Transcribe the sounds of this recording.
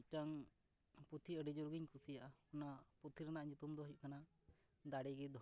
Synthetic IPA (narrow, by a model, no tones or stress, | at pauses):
ʈaŋ | put̪ʰiəɖid͡ʒuɾɡiɲkusijaʔaunaput̪ʰiɾanaʔɲut̪umd̪ɔɦjuʔkana | d̪aɽiɡid̪ʱ